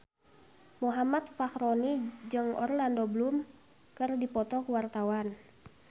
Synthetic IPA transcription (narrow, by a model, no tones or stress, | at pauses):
muɦamat̪̚fahɾɔnid͡ʒɨŋɔ̰rlandoblum | kɨrdipɔt̪ɔkuwart̪awan